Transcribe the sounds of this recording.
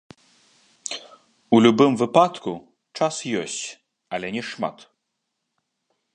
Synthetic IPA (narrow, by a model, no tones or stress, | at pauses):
ulʲubɨmvɨpat̪ku | t͡ʂasjɔsʲt͡sʲ | ɐlʲɛnʲɛʂma̰t̪